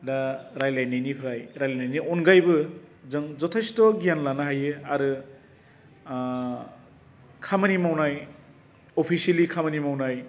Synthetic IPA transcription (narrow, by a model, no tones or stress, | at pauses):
daɾajlajnajnipʰɾajɾajlajnajniʔɔnɡajbɯzɯŋzɔtʰasi̥tɔɡijanlanaɦajɯaɾɯ | kʰamanimawnaj | opʰiselikʰamanimawnaj